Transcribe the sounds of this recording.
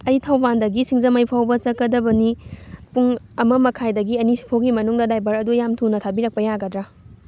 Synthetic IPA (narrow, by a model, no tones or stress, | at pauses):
ɐjtʰawbandɐɡisiŋzɐmɐjpʰawbɐt͡ʃɐkːɐdɐbɐnipuŋ | ɐmɐmɐkʰajdɐɡiɐnisi̥pʰoɡimɐnuŋdɐdajbɐɾɐdujamtʰunɐtʰabiɾɐk̚pɐjaɡɐdɾa